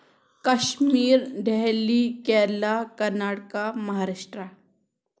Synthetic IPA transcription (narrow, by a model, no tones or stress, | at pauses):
kɐʃmiːɾɖʱɛɦlikɛːlakɐɾnaːɽkamɐɦaːɾaʃʈɾa